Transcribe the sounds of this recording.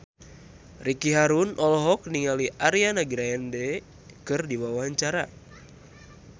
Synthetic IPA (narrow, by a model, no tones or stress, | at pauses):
rikiɦaɾunʔɔlɔɦɔk̚niŋaliʔaɾianaɡɾaɛndɛ | kɨrdiwawaaɲt͡ʃaɾa̰